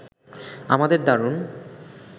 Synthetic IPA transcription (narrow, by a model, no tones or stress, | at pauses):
a̰mad̪eɾd̪aɾun